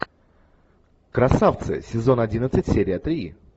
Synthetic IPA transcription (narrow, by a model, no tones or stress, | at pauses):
kɾɐsaft̪sɨ̰sʲɪzo̞nɐdʲinət̪sɨtʲsʲeɾʲɪət̪ɾʲi